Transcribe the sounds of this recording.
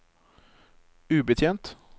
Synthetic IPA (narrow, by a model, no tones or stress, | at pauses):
ʉːbət̪ʰjeːnt̪